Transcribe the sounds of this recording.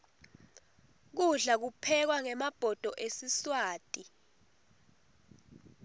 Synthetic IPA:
k̬uɮak̬upʰɛk̬waŋɛmab̥ʱɔd̥ʱɔʔesiswaːtʼi

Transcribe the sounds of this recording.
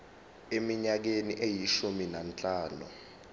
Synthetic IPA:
emiɲak̬eniʔejiʃuminant͡ɬʼaːnṵ

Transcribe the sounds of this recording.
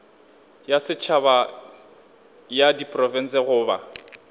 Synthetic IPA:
jasɪt͡ʃʰaba | jadipʼrɔvɛn̩sɛɣʊːba̰

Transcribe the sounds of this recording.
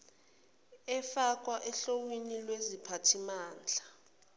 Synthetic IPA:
ɛfak̬ʼwaʔɛɬowinilwezipʰatʰimaːnd͡ɮʱa

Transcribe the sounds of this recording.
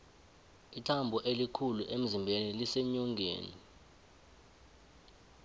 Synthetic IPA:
itʰambʱɔʔelikʰuluʔem̩zimbʱenilisɛɲɔŋɡʱḛːni

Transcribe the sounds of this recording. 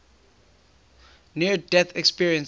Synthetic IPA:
niədɛθɛkspiɹiə̃ns

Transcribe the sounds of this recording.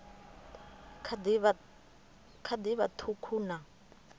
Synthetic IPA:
dβ | kʰad̪iβat̪ʰukʰuːna

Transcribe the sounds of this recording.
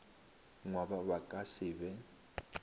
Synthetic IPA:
ŋwabaβakʼasɪːβɛ

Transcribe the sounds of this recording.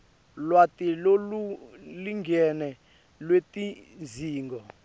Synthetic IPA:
lwatiloluliŋɡɛnɛ | lwetiziːŋɡɔ

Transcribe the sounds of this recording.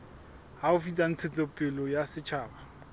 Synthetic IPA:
haʊfit͡sʼan̩t͡sʰɪt͡sʼɪpʼɪlɔjasɪt͡ʃʰaːba

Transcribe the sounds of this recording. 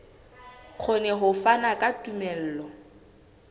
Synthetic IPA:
k͡xʰʊnɛɦʊfanakʼatʼumɛl̩ːlɔ

